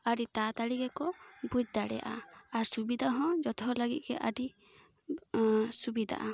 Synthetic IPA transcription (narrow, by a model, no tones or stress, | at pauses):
aɖit̪at̪aɽiɡɛkɔbud͡ʒ̚d̪aɽɛ̰ja̰ʔa̰aɾsubid̪ʱaɦɔ̃d͡ʒɔt̪ʰɔ̃ləɡit̪̚ɡɛʔaɖi | subid̪ʱa̰ʔa